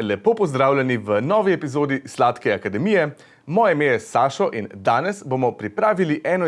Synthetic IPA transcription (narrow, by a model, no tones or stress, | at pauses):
lɛpoːpɔzd̪ɾaːwlʲɛniʋənɔːʋiɛpizoːd̪islaːt̪kɛakad̪ɛmijɛ | mɔːjɛmeːjɛsaːʃɔʔind̪aːnɛsbomɔpɾipɾaːʋiliʔɛːnɔ